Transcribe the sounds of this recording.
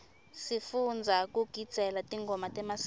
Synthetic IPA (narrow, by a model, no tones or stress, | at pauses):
sifund͡zʱakuɡ̥ʱid̥ʱɛlatiŋɡʱɔmatɛmas